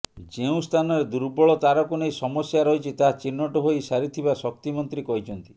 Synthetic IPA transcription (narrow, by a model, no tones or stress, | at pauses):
d͡ʒeũst̪ʰanɔɾed̪uɾbɔɭɔt̪aɾɔkunejsɔmɔsjaɾɔɦit͡ʃʰit̪at͡ʃinːɔʈɔɦoisaɾit̪ʰibasɔk̚t̪imɔnt̪ɾikɔɦit͡ʃʰɔnt̪i̥